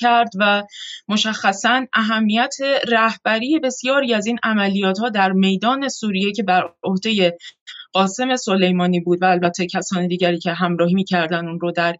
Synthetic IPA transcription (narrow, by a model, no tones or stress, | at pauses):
æɾd̪væmo̞ʃæxːæsænʔæɦæmːijæt̪ʰe̞ræhb̥æɾiːje̞be̞sijɒːɾiːæziːnʔæmælijɒːt̪hɒːd̪æɾme̞jd̪ɒːne̞suːɾije̞cʰe̞bæɾo̞hd̪e̞je̞ɢ̥ɒːse̞me̞so̞le̞jmɒːniːbuːd̪væːlbæt̪ʰːecʰæsɒːnid̪iːɟæɾiːcʰe̞ɦæmɾɒːɦiːmiːcʰæɾd̪ænunɾod̪æɾ